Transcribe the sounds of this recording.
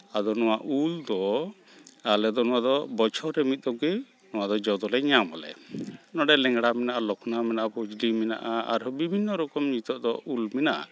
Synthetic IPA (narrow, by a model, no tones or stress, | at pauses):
ad̪ɔnɔwaʔuld̪ɔ | alɛd̪ɔnɔwad̪ɔbɔt͡ʃʰɔɾɛmit̪̚ˀd̪ɔɡɛ | nɔwad̪ɔd͡ʒɔd̪ɔlɛɲamɔlɛ̰nɔɖɛlɛŋɡɽamɛnaʔalɔkʰnamɛnaʔapud͡ʒlimɛna̰ʔaa̰ɾbibʱinːɔɾɔkɔmɲit̪ɔʔd̪ɔʔulmɛnaʔa̰